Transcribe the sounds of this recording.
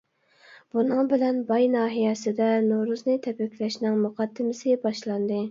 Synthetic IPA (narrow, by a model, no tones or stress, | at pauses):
b̥unɨŋbɪlɛnbɑjnɑːɦijɛsɪd̪ɛnoɾuznɨt̪ʰɛpɛkʲʰːlɛʃnɪŋmuqʰɑd̪ːɪmɪsɪbɑʃlˠɑnd̪ɨ